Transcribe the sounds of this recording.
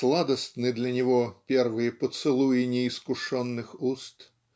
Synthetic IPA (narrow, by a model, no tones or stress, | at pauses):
slˠad̪ɐst̪nɨd̪lʲɐnʲɔvɔpʲɛrvɨjɛpɔt̪sɨlˠujɛnʲɛiskuʂɔnːɨxust̪